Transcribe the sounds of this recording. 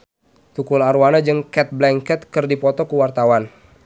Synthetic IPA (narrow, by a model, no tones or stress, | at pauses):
t̪ukulaɾuanad͡ʒɨŋkɛt̪̚blɛŋkɛt̪̚kɨrdipɔt̪ɔkuwart̪awan